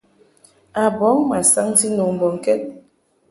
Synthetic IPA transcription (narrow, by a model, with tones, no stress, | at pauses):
a˨bɔ˨˦ŋma˨sa˦ŋ˦ti˦no˨ŋm̩˨bɔ˨ŋ̩˨kɛ˦t̚